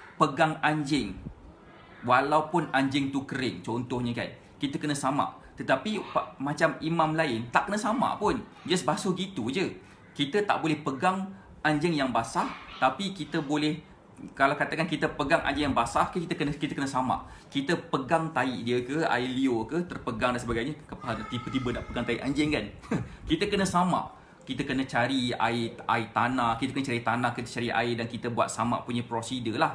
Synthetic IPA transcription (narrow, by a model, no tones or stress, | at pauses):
pəɡaŋaɲd͡ʒɪŋ | walaupʊnaɲd͡ʒɪŋt̪ukəɾɪŋt͡ʃɔnt̪ɔhɲə̃ka̰n | kit̪əkənə̃samã̰ʔ | t̪ət̪apipmat͡ʃamimãmlaɪnt̪aʔkənə̃samã̰ʔpʊn | d͡ʒasbasoɡit̪ud͡ʒə | kit̪ət̪a̰ʔbolɛhpəɡaŋ | aɲd͡ʒɪŋjaŋbasaht̪apikit̪əbolɛh | kalawkat̪akankit̪əpəɡaŋʔã̰ɲd͡ʒɪŋjaŋbasahkəkit̪əkənəkit̪əkənəsama̰ʔkit̪əpəɡaŋt̪aḭʔdiəkəa̰ɪliokəht̪ərpəɡaŋdansəbaɡajɲəkəpəɦant̪ibət̪ibənaʔpəɡaŋt̪aiʔaɲd͡ʒɪŋkan | kit̪əkənə̃sama̰ʔ | kit̪əkənə̃t͡ʃaɾia̰ɪa̰it̪anahkit̪əkənət͡ʃaɾit̪anahkit̪ət͡ʃaɾiʔa̰ɪʔdankit̪əbwa̰t̪̚sama̰ʔpuɲãpɾosidəlah